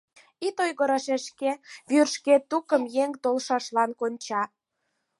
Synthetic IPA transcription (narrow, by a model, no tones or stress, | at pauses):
it̪ojɣəɾɑʃeʃkeβyrʃket̪ːukə̆mjeŋt̪olʃɑʃlɑnkonʲt͡ɕɑ